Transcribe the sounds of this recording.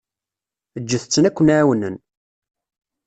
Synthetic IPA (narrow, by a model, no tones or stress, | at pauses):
əd͡ʒːəθət͡sːənækʷːənaʕwənən